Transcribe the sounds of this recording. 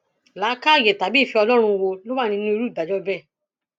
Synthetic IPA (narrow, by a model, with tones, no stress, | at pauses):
la˨˦ka˦˨je˨ta˨bi˨˦˨fi˧ɔ˧lɔ˦ɾ̃ũ˧wo˧lo˦wa˦˨nĩ˧nĩ˦o˧˦ɾu˦˨da˨d͡ʒɔ˦bɛ˦˨